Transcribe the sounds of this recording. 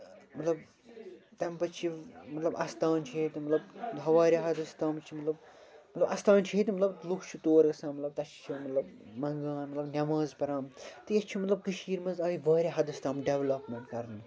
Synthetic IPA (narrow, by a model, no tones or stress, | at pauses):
mɐt̪lɐb̚ | t̪ɐmpɐt͡ʃʰimɐt̪lɐbɐst̪aːnt͡ʃʰet̪imɐt̪lɐbɦɐʋaːɾʲiɦɐd̪ɐst̪ɐːmt͡ʃʰimɐt̪lɐb | mɐt̪lɐbʔɐst̪aːnt͡ʃʰiet̪imɐt̪lɐb̪lukʰt͡ʃʰut̪oːɾɡɐsãːnmɐt̪lɐb̚t̪ɐt͡ʃʰt͡ʃʰimɐt̪lɐb̚ | mɐŋɡaːnmɐt̪lɐbnʲɐmaːzpɐɾaːmt̪ɨjɐt͡ʃʰimɐt̪lɐb̚kɐʃiːɾmɐnzaːiʋaːɾʲiɦɐd̪ɐst̪ɐːmɖeʋlɐpmeɳʈkɐɾn